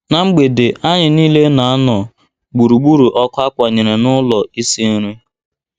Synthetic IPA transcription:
na˨ŋ͡m̩˦ɡ͡be˨dɪ˨a˦ɲɪ˨niː˦le˦na˨a˦nɔ˨ | ɡ͡bu˨ɾu˨ɡ͡bu˦ɾu˨ʔɔ˦kʷa˦kʷa˨ɲe˨ɾe˨nʊ˦lɔ˨i˦si˦ɾe˦

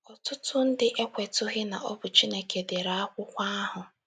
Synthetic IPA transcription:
ɔ˨tʊ˦tʊ˦n̩˦dɪ˦ʔe˦kʷe˨tʊ˦ɣɪ˦na˨ʔɔ˦bʊ˨t͡ʃi˦ne˨ke˨dɪ˨ɾa˦a˦kʷʊ˦kʷa˦a˦ɦʊ˨

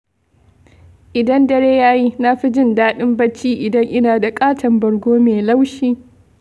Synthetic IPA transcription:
ʔɪ˨dɐ˦ndɐ˦ɽeː˦jaː˦ji˦na˦ɸi˦d͡ʒɪ˦ndaː˦ɗɪ˦mbɐ˦t͡ʃːiː˦ʔɪ˨dɐ˦ŋʔɪ˦naː˨da˨kʼaː˦tʰɐ˨mbɐ˨ɽɡʷoː˦meː˨la˦wʃiː˦

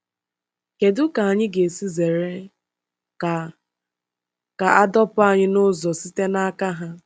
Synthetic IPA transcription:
ke˨dʊ˦ka˨a˨ɲɪ˦ɡe˨si˦ze˨ɾe˦ | a˨ | ka˨a˦dɔ˦pʊ˦a˨ɲɪ˦nʊ˦zɔ˨si˦te˦na˦ka˦ɦa˦

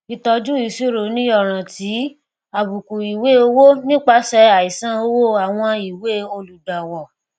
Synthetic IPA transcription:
i˨tɔ˧d͡ʒu˦i˨si˦ɾo˨˦nĩ˦ɔ˦˨ɾ̃ã˨ti˨˦ | a˨bu˨ku˨i˨we˦o˧wo˦nĩ˦k͡pa˦sɛ˧a˨i˨sã˦o˧wo˦˨a˨w̃ɔ̃˧i˨we˦o˧lu˨da˨wɔ˨

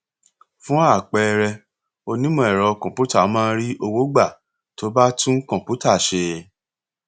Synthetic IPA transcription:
fũ˨˦a˦˨k͡pɛ˧ɾɛ˧ | o˧nĩ˦mɔ̃˧˨ɛ˨ɾɔ˨˧kɔ̃˨pu˦ta˦˨˦mãː˦˧˦ɾi˦ʔo˧wo˦ɡ͡ba˦˨ | to˦ba˦tũ˦kɔ̃˨pu˨˦ta˦˨ʃe˧

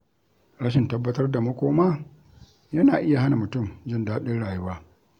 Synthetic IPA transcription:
ɽa˦ʃɪ˨ntɐ˦bːɐ˦tɐ˦rda˨mɐ˦kʷoː˦ma˦ | jɐ˦naː˨ʔɪ˦ja˨ha˦na˨mʊ˨tʊ˦˨md͡ʒɪ˦ndaː˦ɗɪ˦nɽaː˨ju˦waː˦

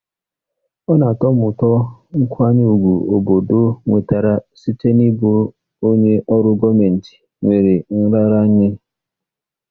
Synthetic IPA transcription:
ɔ˦na˨tɔ˦mʊ˨tɔ˦ŋ̩˦kʷa˦ɲɪ˦u˨ɡʷu˨o˨bo˨do˦ŋʷe˨ta˨ɾa˨si˦te˦ni˦bo˦ | o˦ɲe˦ʔɔ˦ɾʊ˦ɡɔ˦me˨n̩˨ti̥˨ | ŋʷe˨ɾe˨n̩˦ɾa˦ɾa˦ɲɪ˦

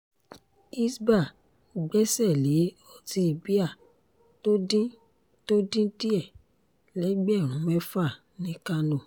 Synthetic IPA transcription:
i˦sba˦˨ | ɡ͡bɛ˦sɛ˦˨le˨˦ | ɔ˦˨ti˧i˨bi˦a˦˨ | to˦dĩ˦ | to˦dĩ˦di˦ɛ˦˨ | lɛ˨˦ɡ͡bɛ˦˨ɾ̃ũ˨˦mɛ˦fa˦˨ | nĩ˦ka˧nũ˨

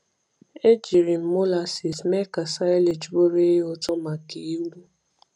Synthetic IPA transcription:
e˦d͡ʒi˨ɾi˨m̩˦mo˦la˨si˨sme˦ka˨sa˦jle˨d͡ʒbo˦ɾe˦jɔ˦tɔ˦ma˨ke˨i˦ɾu˦

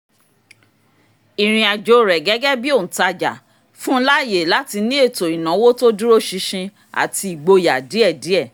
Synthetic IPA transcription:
i˨ɾ̃ĩ˧a˨d͡ʒo˨˦ɾɛ˨ɡɛ˨˦ɡɛ˦bi˦õ˦˨ta˧d͡ʒa̰˨ | fũ˦la˦i˦˨je˨la˨˦ti˧nĩ˦e˦˨to˨i˨nã˨˦wo˦to˦du˦ɾo˦ʃi˧ʃĩ˧ | a̰˨ti˧i˨ɡ͡bo˧ja˨di˨˦ɛ˦˨di˨˦ɛ˦˨

